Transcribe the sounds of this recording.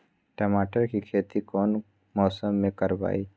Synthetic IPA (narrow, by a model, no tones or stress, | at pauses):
ʈəmaːʈəɾkikʰeːt̪ikɔːn | mɔːsəmːẽkəɾba̰ːiː